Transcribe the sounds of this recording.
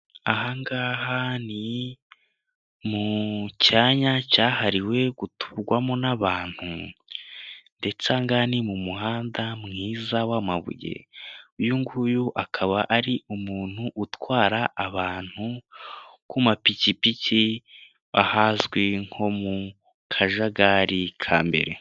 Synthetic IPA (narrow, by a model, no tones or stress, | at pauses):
aɦaŋɡaːhani | mucaɲacaːhaɾiwe̞ɡ̥utu̥βɡwamo̞naβaːn̥hṵ | nde̞t͡saŋɡaːhnimumuhaːndamŋiːzawama̰βṵjḛujuŋɡujuʔakʰaβaʔaɾiumuːn̥huʔːtwaːɾaʔːβaːn̥hu | kumapicipici | βahazɡwiŋ̥ho̞mu | kʰaʒaɡaɾikʰaːmbe̞̰ɾe̞̰